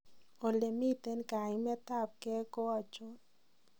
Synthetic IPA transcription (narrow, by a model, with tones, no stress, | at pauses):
o˨le˨mi˦t̪e˦nka˨ɪmɛ˦t̪a˦˨p̚kɛ˦kɔ˦a˨t͡ʃo˦n